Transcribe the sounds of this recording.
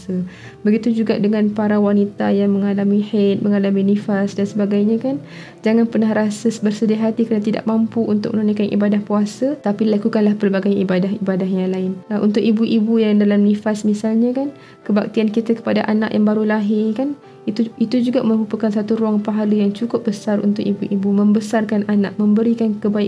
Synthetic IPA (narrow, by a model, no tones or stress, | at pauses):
sə | bəɡit̪ud͡ʒuɡa̰ʔdəŋanpaɾawanit̪ajaŋməŋalamiħet̪̚məŋalaminifasdansəbaɡajɲãkan | d͡ʒaŋanpərnaɦɾasəsbərsədiaɦat̪ikɾanat̪ida̰ʔmampuʔunt̪ʊk̚ʔmənunakanʔḭbadahpuasat̪apilakukanlahpəlbaɡajibadaɦibadaɦjaŋlaɪnʔṵnt̪ʊkibuʔibujaŋdalamnifasmisalɲãkan | kəbak̚t̪iankit̪akə̥padaʔana̰ʔja̰ŋbaɾulaɦɪrkan | t̪it̪ud͡ʒuɡamə̃bupəkansat̪uɾuaŋpaɦaləjaŋt͡ʃukʊp̚bəsarṵnt̪ʊkibuʔibumə̃mbəsarkananaʔ̚mə̃mbəɾikankəbaik